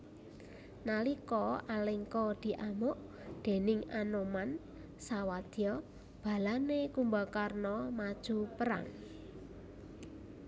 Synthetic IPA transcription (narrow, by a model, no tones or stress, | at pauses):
nalikɔaleŋkɔd̪̥i̤ʔamʊʔ | d̪̥e̤nɪŋanoman | sawad̪̥jɔ | b̥a̤lanekumbakarnɔmad̥ʒ̥ṳpəɾa̰ŋ